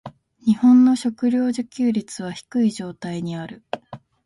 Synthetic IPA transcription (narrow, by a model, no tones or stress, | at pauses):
ɲ̟ihõ̞nːo̞ɕo̞kɯ̟ɾʲjo̞ːʑɨkʲɨːɾʲit͡sɨβ̞açi̥kɯ̟iʑo̞ːt̪aiɲ̟iaɾɯ̟